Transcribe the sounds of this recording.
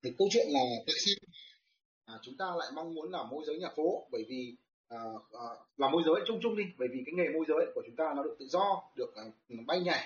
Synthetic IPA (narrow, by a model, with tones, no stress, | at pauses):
ɗkːə˧wt͡ɕwḭ˧˨ənŋɔ˨˩˨t̪ḭ˧˩˨si˧n | aː˨˩t͡ɕʊ˨˦ŋ͡mt̪aː˧la̰ː˧˨jma˧ŋmu˨˦ənlaː˨˩mːo˧jzəː˨˦jɲaː˨˩fo˨˦ɓəː˧˩jvi˨˩ | ʔəː˨˩əː˨˩laː˨˩mo˧jzəː˨˦jt͡ɕʊ˧ŋ͡mt͡ɕʊ˧ŋ͡mɗi˧ɓəː˧˩jvi˨˩kaː˨˦jŋe˨˩mo˧jzəː˨˦jku˧˩ət͡ɕʊ˨˦ŋ͡mt̪aː˧nɔ˨˦ɗɨ˨˩ək̚t̪ɨ̰˧˨zɔ˧ɗɨ˨˩ək̚ʔɓa˧jɲa˨˩